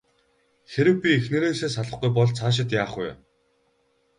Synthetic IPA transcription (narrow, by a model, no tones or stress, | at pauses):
xeɾɘ̆wpʲiexneɾeːseːsaɮə̆χɡujpɔɮt͡sʰaːʃ̬ɪ̆t̪jaːχuj